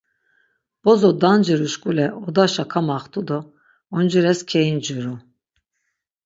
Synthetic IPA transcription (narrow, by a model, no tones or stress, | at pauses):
b̥ɔzɔd̪and͡ʒiɾuʃkʼulɛʔɔd̪aʃakʰamaχt̪ʼud̪ɔ | ɔnd͡ʒiɾɛskʲʰɛjind͡ʒuɾu